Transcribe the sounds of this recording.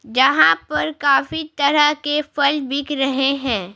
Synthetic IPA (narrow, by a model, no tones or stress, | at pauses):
d͡ʒɐɦãpɐɾkaːfit̪ɐɾəɦkefɐlbɪkɾɐɦeɦɛ̃ː